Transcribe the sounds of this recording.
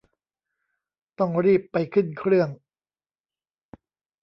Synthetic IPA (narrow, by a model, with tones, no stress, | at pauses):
t̪ɔ˥˩ŋɾiː˥˩pːa˧jkʰɯ˥˩nkʰɾɯ˥˩əŋ